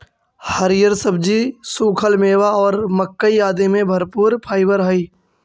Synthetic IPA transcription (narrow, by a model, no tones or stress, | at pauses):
həɾɪjəɾsəbd͡ʒisuːkʰəlmeːʋaɔːɾməkːəijaːd̪emẽbʱɐɾpuːɾpʰaːɪbəɾɦəiː